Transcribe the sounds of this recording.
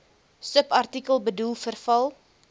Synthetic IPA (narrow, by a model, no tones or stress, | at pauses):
səpɐrtikəlˠbədulˠfərfɐlˠ